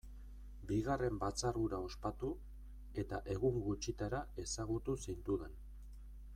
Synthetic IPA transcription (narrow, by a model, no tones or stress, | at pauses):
biɣare̞mbat͡saruɾao̞spat̪u | e̞t̪aʔe̞ɣuŋɡut͡ʃit̪aɾae̞saɣut̪usijnt̪uðe̞n